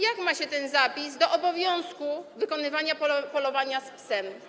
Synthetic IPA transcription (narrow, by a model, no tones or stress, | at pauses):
jakmaɕɛt̪ɛnzapʲizd̪ɔʔɔbɔvʲjɔ̃w̃skuvɘkɔnɘvaɲappɔlɔvaɲaspsɛm